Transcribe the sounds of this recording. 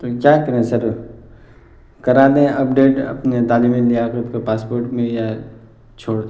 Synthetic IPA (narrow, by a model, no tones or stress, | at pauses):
t̪okjaːkɐɾẽsɐɾ | kɐɾaːd̪ẽɐp̚ɖeːʈɐ̰pnet̪aːlimẽlijakʊpkopaːspoːɾʈmẽja | t͡ʃʰoːɽ